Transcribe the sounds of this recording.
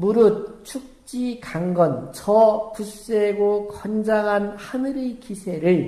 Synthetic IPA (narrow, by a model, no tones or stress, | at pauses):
muɾut̚t͡ɕʰuk̚t͡ɕ͈ikaŋɡʌnt͡ɕʌpus͈eɡokʌnd͡ʑaŋɦanhanɯɾikisʰe̞ɾɯɭ